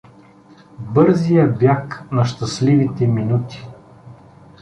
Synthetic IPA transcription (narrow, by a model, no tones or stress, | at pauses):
bɤɾzijəbjaknɐʃt̪ɐslivit̪ɛminut̪i̥